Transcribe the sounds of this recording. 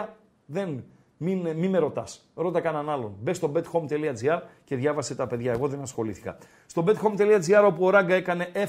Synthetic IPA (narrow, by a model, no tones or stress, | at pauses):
ðe̞n | minmime̞ɾo̞t̪ɐs | ɾo̞t̪ɐkɐnɐnɐlo̞nbe̞st̪o̞be̞t̪xo̞mt̪eliɐd͡ziɐɾce̞ðʝɐvɐse̞t̪ɐpe̞ðʝɐe̞ɣo̞ðe̞nɐsxo̞liθi̥kɐ̰ | st̪o̞be̞t̪xo̞mt̪e̞liɐd͡ziɐɾo̞puoɾɐɡɐe̞kɐne̞ʔe̞